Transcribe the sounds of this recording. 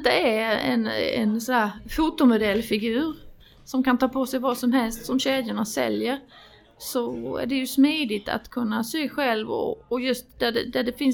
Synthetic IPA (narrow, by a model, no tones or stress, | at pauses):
t̪ːəæɾɛ̰nɛ̰nsɔæɾfuːt̪ʊmʊd̪ɛlːfɪɡʉ̟ːɾ | sɔmkant̪ʰɑːpʰɔːsɛjvɑːsɔmɦɛlst̪sɔmɕeːd̪jaɳasɛ̰ljəɾ | sɔæ̰ɖɛjɵsmiːd̪ɪt̪ʰa̰t̪kʰɵnːasøːɧɛlvɔ̰ːjɵst̪̚d̪æɖɛd̪æɖɛfɪn